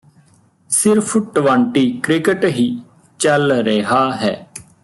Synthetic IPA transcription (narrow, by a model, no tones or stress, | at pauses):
sɪɾpʰʈʋãːɳʈiːkɾɪkəʈɦiː | t͡ʃəlɾeɦaːɦɛː